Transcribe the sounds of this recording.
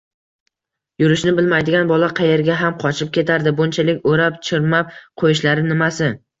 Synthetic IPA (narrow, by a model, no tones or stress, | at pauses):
jʊɾɪʃnɪbɪlmajd̪ɪɡʲanbɒlaqʰɑje̞ɾɡʲaɦamqʰɒt͡ʃʰɪp̚kʲe̞t̪ʰaɾd̪ɪbʊnt͡ʃʰalɪkʲoɾapt͡ʃʰɪɾmap̚qʰojɪʃlaɾɪnɪmasɪ